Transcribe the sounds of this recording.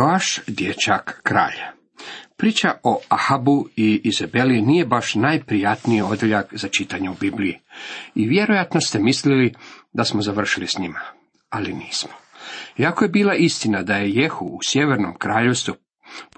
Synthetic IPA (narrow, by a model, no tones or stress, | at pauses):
aʃd̪jet͡ɕakːɾa̰ːʎa | pɾiːt͡ɕaʔo̞ahabuiːzabe̞liniːje̞baʃnajpɾijat̪niio̞d̪eʎakzat͡ʃit̪aɲeubiblijiiʋje̞ɾojat̪no̞st̪e̞mislilid̪asmozaʋr̩ʃilisɲima | aliniːsmoiako̞je̞biːlˠaʔist̪inad̪aje̞je̞xuusje̞ʋe̞ɾno̞̰mkɾaːʎe̞ʋst̪vu